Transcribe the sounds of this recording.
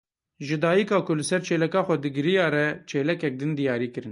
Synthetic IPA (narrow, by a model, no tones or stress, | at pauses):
ʒɨd̪ɑːjikɑːkʰʊlɨsɛɾt͡ʃʰeːlɛkɑːxʷɛd̪ɨɡɨɾijɑːɾɛt͡ʃʰeːlɛkɛk̚d̪ɨnd̪ijɑːɾiːkɨɾɨn